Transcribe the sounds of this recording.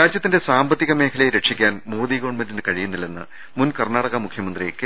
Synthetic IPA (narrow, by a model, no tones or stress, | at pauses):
ɾaːd͡ʑjɐt̪ːinde̞saːmbɐt̪ːiɣɐme̞ːkʰɐlɐjeɾe̞ʂikʲːaːnmoːðiɣo̞ːɳmɐndinɨkɐɻijunːilːenːɨ̰ | munkɐrnaːɽɐɣɐmukʰjɐmɐnd̪riekːɨ